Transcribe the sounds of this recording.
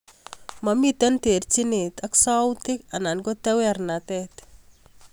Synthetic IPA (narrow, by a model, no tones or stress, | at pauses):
mamit̪ɛnt̪eɾt͡ʃinit̪aksawt̪ikanankot̪ewaɾnat̪ɛt̪